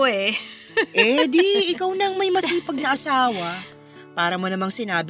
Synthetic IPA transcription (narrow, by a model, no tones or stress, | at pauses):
ɛʔɛd̪iɪkawnɐŋmɐjmɐsiːpɐɡ̚nɐʔɐsaːwɐ | paːɾɐmonɐmaŋsɪnaːb